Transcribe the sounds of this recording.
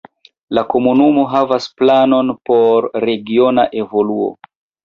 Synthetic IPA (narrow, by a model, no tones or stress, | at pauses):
lako̞munumo̞ɦavasplano̞npo̞ɾːe̞ɡio̞naʔe̞vo̞luo̰